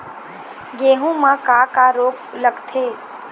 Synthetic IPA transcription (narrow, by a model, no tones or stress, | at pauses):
ɡeːɦũmãkaːkaɾoːkləɡt̪ʰeː